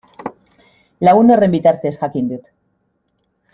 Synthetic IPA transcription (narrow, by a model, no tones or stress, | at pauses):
launorembit̪aɾt̪esxakind̪ut̪